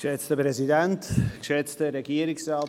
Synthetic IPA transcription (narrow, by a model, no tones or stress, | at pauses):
ʃɛt͡stəpɾɛzidɛntkʃɛt͡stəɾɛɡiːəɾɪksɾaː